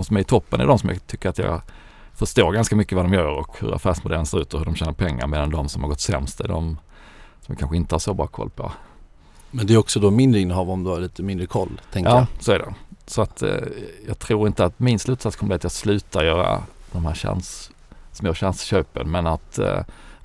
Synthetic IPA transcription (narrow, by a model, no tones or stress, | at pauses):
msɔmæɾɪt̪ʰɔpːənæ̰ɖɔmsɔmjɑ̰t̪ʰʏkːəɾat̪jɑ̰ːɡ | fœʂt̪oːɾɡanskamʏkːəvad̪ɔmjœːɾɔkhɵ̰ɾa̰fæːʂmʊd̪ɛlːənsɪɾʉ̟ːt̪ɔhɵdɔmɕɛːnəɾpʰɛŋːa̰ɾmeːd̪and̪ɔmsɔmhaɾɡɔt̪ːsɛ̰mst̪ɛ̰ɖɔ̰m | sɔmjakʰanɧəɪnt̪əhaʂsɔbɾɑ̰ːkʰɔ̰lːpʰɔ̰ | mɛnd̪ɛɾɔksɔd̪omɪnd̪ɾɪnəhɑːvɔmd̪əhaɭiːt̪əmɪnd̪ɾəkʰɔlːt̪ʰɛŋkəɑːsoːæɖɛ̰sɔat̪jɑːɡ̚t̪ʰɾuːɾɪnt̪əat̪mɪnslʉ̟ːt̪sat̪skʰɔməblːat̪jɑːɡslʉ̟ːt̪aɾjœːɾa̰d̪̥ɔmhæːɾɕɛ̰ns | smoːɕɛnsɕøːpənmɛnat̪